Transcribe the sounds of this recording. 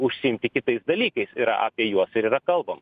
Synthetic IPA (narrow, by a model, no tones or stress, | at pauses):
ʊʃʲsʲɪɪmʲt̪ʲɪkʲɪt̪ɐɪsd̪ɐlʲiːkɐɪsɪɾɐ̰ʔa̰ːpʲiɛjuɔsɪɾiːɾɐkɐlˠbɐmɐ